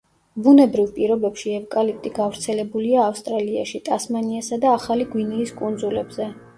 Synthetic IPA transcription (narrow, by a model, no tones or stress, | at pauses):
bunɛbɾivpʼiɾɔbɛpʃiɛvkʼalip̚ʰt̪ʼiɡavɾt̪sʰɛlɛbuliaːfst̪ʼɾalia̰ʃit̪ʼasmaniasad̪aːχaliɡwiniːskʼund̪zulɛbzɛ